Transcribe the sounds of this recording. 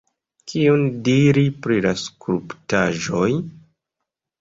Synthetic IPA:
kʰiundiɾipɾilaskɾuptaʒoj

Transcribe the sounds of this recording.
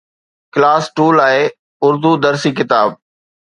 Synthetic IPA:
klaːsʈuːlaːe | ʊɾd̪ud̪ɐɾsiːkɪt̪aːb̚

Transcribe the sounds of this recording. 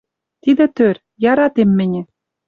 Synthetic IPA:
t̪id̪ɘ̆t̪ør | jɑɾɑt̪emːɘ̆nʲĕ

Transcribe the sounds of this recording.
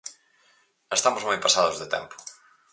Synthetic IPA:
est̪amʊzmojpasaðʊzðet̪ɛ̰mpʊ̥

